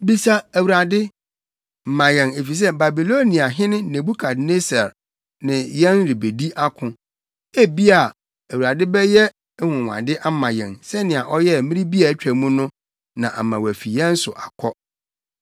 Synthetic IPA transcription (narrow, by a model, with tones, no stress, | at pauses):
bi˦sa˦æ˨wu˨ɾa˨dɪ˦ | m̩˨mã˨jɛ̃˨ne˨fi˨s̬ɛ˦ba˨bi˨lo˦nĩ˨a˨ɦɪ̃˦nɪ̃˦nẽ˨bu˦kʰa˨dne˦sɛ˨ɾ | nɪ̃˨jɛ̃˦nɾi˨be˨di˦ʔa˦kʰʊ̃˨ | e˦bi˦a˨ | æ˨wu˨ɾa˨dɪ˦bɛ˦jɛ˦ | hʊ̃˨wʷã̰˨dɪ˦ʔa˦m̩˦mã˨jɛ̰̃˨nsɛ˦nɪ̃˨a˨ʔɔ˦jɛ˦mɪ̃˦ɾi˦bi˦a˨˦t͡ɕᶣæ˨mũ˦nʊ̃˦ | nã˨ʔa̰˨mã˨wæ˨fi˨jɛ̃˦n̩˦sʊ̰˨ʔa˨kʰɔ˦